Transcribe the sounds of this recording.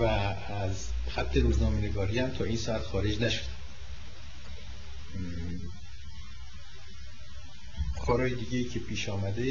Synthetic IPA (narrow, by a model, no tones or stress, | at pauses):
væ | æz | xæt̪ʰːe̞ɾuːznɒːmene̞ɡɒːɾiːhæmt̪ʰɒːiːnsɒːæt̪xɒːɾe̞d͡ʒnæʃod̪̥ | xʰɒːɾɒːjed̪iːɟejiːcʰe̞pʰiːʃɒːmæd̪e